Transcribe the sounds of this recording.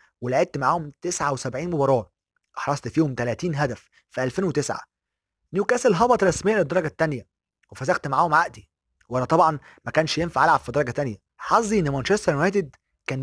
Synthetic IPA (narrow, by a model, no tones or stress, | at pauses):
welaʕet̪̚t̪maʕaːhomt̪esʕawesæbʕiːnmobɑɾˤɑː | ʔɑħɾˤɑsˤt̪fiːhomt̪ælæːt̪iːnɦæd̪æf | fiʔælfeːnwet̪esʕa̰ | nuːkæːselɦɑbɑt̪ɾˤɑsmejːæled̪ːɑɾˤɑɡæt̪ːænjæ | wefæzæxt̪maʕaːhomʕaʔd̪i | wʔælæt̪ˤɑbʕɑn | mækæːnʃjenfaʕʔælʕab̥fid̪ɑɾˤɑɡæt̪ænjæ | ħɑzˤːiʔenːemænʃest̪ɑɾnæːt̪ed̪ | kæːn